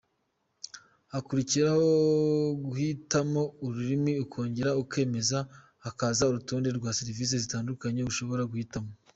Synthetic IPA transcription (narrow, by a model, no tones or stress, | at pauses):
akuɾiciɾaho̞ɡuhitamo̞uɾuɾimiukʰo̞ːɲɟe̞ɾauke̞ːme̞zaː | kazauɾutuːnde̞ɾɡwaːsiɾiviːs̬e̞zitaːndukaɲe̞uʃo̞βo̞ɾaɡuhitamo̞